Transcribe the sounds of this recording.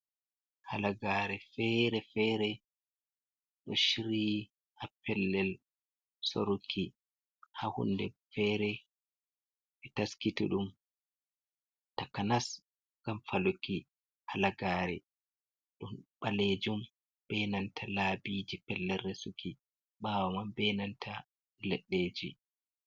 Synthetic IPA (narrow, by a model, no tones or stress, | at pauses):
halaɡaːɾɛfɛɾɛfɛːɾɛ | ɗɔʃiɾiː | hapɛlːɛl | soɾukʰi | hahṵndɛfɛːɾɛ | fitaskituɗum | takanas | ɡ̥amfaloki | halaɡaːɾɛ | ɗunɓaled͡ʒum | bɛnantʰalaːbiːd͡ʒipɛlːɛrːesukʰi | baːwamambɛnantʰa | lɛɗːeːd͡ʒi